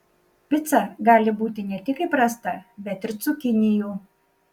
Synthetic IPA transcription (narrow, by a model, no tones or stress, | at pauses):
pʲɪt̪sɐɡɑːlʲɪbuːt̪ʲɪnʲɛt̪ʲɪkɪpɾɑst̪ɐbʲɛt̪ʲɪɾsʊkʲɪnʲɪjuː